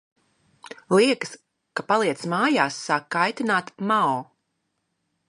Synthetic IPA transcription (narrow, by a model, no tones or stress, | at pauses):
lˠiɛkɨ̥s | kapalˠiɛt̪smaːjaːsːaːkːajt̪inaːt̪maɔ